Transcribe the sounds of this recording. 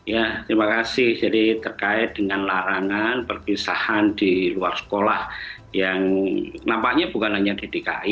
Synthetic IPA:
jat̪ɾimakasɪhd͡ʒadit̪ərkaɪt̪̚d̥əŋanlaɾaŋanpərkisahandiluarsə̥kolah | jaŋnampaʔɲab̥ukanaɲadid̥eka̰ɪ

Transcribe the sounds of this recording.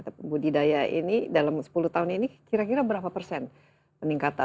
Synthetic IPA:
t̪apbudidajaʔḭnidalamsə̥puluht̪aɦʊninikiɾakiɾabəɾapapərsɛn | pəniŋkat̪a

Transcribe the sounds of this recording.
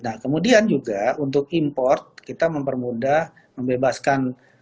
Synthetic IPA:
nahkəmudiand͡ʒuɡaunt̪̬ʊk̚impɔrt̪̚kit̪aməmpərmudah | məmbebaskan

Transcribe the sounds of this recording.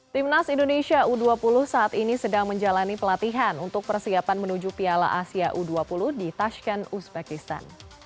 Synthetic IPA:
t̪imnasindoneʃiaʔuduapulʊhsaʔːt̪inisədaŋməɲd͡ʒalanipəlat̪iɦanunt̪ʊk̚pərsiapanmənud͡ʒupiala̰ʔasiaʔuduapuluhdit̪aʃkanusbɛkist̪a̰n

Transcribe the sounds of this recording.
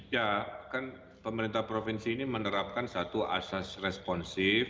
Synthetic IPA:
jakan | pəməɾint̪ahpɾofinsiːnimənəɾap̚kansat̪ua̰sasrɛspɔnsɪf

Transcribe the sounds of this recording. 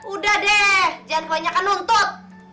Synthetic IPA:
udahdɛhd͡ʒanaɲakanunt̪ʊt̪̚

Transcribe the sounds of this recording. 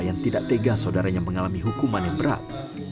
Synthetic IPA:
jaŋt̪idaʔt̪eɡasaudaɾaɲaməŋalamiɦukumanjaŋbəɾa̰t̪̚

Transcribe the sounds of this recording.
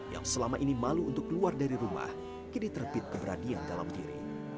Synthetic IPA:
ja̰ŋsəlamaʔinimaluːnt̪ʊkːluardaɾiɾuma̰h | kidit̪ərbɪt̪̚kəbəɾadiandala̰mt̪iɾḭ

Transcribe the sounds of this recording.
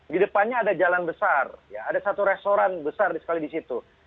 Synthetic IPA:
ɡidəpanɲaːdad͡ʒalanbəsarjaːdasat̪uɾɛst̪oɾanbəsardisə̥kalidisit̪u

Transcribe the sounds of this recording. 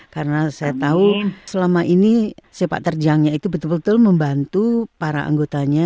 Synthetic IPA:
kaɾənasajat̪ausəlamaʔinisepa̰ʔt̪ərd͡ʒaŋɲait̪ubət̪ʊlbət̪ʊlməmbant̪upaɾa̰ʔa̰ŋɡot̪aɲa

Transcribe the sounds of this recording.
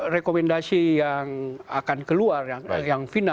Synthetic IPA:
rekomɛndasijaŋakankəluarjajaŋfina

